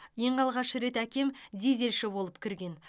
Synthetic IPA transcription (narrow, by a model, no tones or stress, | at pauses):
je̞ɴɑlˠʁɑʃəɾe̞t̪ækʲe̞md̪eze̞lʃɪbo̞lˠəpkʲʰɪɾɡʲe̞n